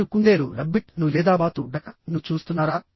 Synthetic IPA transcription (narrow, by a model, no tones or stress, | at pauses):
ukuɳɖ̪eːɾuɾɐbːiʈnulɛːd̪aːbaːt̪uɖɐkɐnut͡ʃuːst̪unːaːɾa